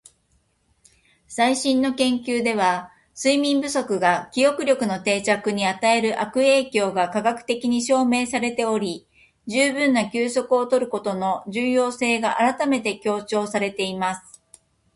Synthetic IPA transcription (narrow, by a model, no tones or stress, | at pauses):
saiɕĩnːo̞kẽ̞ŋkʲɨːd̪e̞β̞a | sɨimʲĩmbɯso̞kɯ̟ɡakʲijo̞kɯ̟ɾʲjo̞kɯ̟no̞t̪e̞ːt͡ɕakɯ̟ɲ̟iat̪ae̞ɾɯ̟ʔakɯ̟e̞ːkʲo̞ːɡakaɡakɯ̟̥t̪e̞kʲiɲ̟iɕo̞ːme̞ːsaɾe̞t̪e̞o̞ɾʲi | d͡ʑɨːbɯ̟̃nːakʲɨːso̞kɯo̞t̪o̞ɾɯ̟ko̞t̪o̞no̞ʑɨːjo̞ːse̞ːɡaʔaɾat̪ame̞t̪e̞kʲo̞ːt͡ɕo̞ːsaɾe̞t̪e̞imasɨ̥